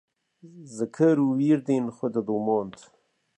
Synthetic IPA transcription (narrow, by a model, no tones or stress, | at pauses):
zəkʰəɾuwiːɾd̪inxwed̪əd̪uːmoːnt̪ʰ